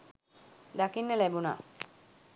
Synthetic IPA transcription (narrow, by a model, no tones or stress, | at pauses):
d̪akinːəlæbuna̰